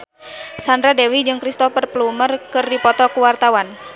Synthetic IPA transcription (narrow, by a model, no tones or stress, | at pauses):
sandɾadewid͡ʒɨŋkɾist̪ɔfərplumərkɨrdipɔt̪ɔkuwart̪awan